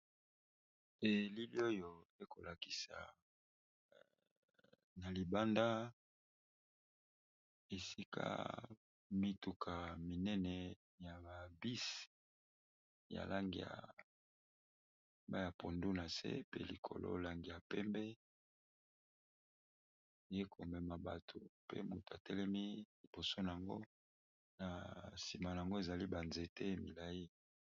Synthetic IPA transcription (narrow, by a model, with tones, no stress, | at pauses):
e˦li˦bi˦o˦jo˨e˦ko˨la˨ki̥˨sa̰˨ | na˨li˨ba˦nda˦ | e˨si˦kʰa̰˦ | mi˦tu˨kʰa˨mi˨nɛ˦nɛ˨ | ja˨ba˨bi˦s | ja̰˨la˦ŋɡi˨a̰˨ | ba˦ja˨po˨ndu˦na˨sḛ˦pḛ˦li˨kʰo̰˨lo̰˦la˨ŋɡi˨ja˨pɛ˦mbɛ˦˨ | je˦kʰo˨mɛ˨ma˨ba˨tʰo˨pḛ˦mu˨to˨a˨tɛ˦lɛ˦mi˦li˨bo˨so˦na˨a˨ŋɡo˦ | na˨si˨ma˨na˨a˨ŋɡo˦e˨za˨li˦ba˨nze˨te˦mi˨la˨ji˦